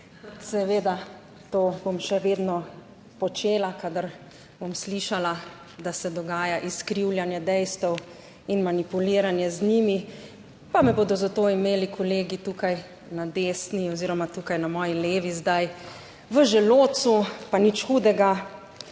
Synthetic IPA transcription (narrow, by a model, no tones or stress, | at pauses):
sɛʋeːd̪a | t̪oːbomʃɛʋeːd̪nɔ | pɔt͡ʃeːlakad̪aɾ | bomsliʃala | d̪asɛd̪ɔɡaːjaʔiskɾiwlʲjanjɛd̪ɛjst̪ɛw | inmanipuliːɾanjɛzniːmi | pamɛboːd̪ɔzat̪oːimeːlikʰɔleːɡit̪uːkaj | nad̪eːsniɔziɾɔmat̪uːkajnamɔːjileːʋizd̪aj | ʋəʒɛloːt̪supanit͡ʃxuːd̪ɛɡa